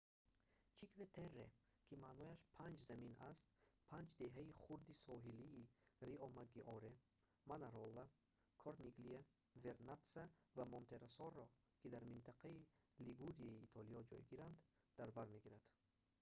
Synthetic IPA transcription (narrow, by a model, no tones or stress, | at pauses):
t͡ʃʰikvet̪ʰerːḛ | kʰimanɔjaʃpʰand͡ʒzamina̰st̪pʰand͡ʒd̪e̞ɦaiχuɾd̪isɔɦiliːɾiɔmaɡiʔɔɾe | manaɾɔlːa | kʰɔɾniɡlia | veɾnat̪savamɔnt̪ʰe̞ɾasɔrːɔ | kʰid̪aɾmint̪ʰaqʰai | liɡuɾiaiːt̪ʰɔliɔd͡ʒɔ̰jɡiɾand̪ | d̪̥aɾbaɾmeɡiɾad̪̥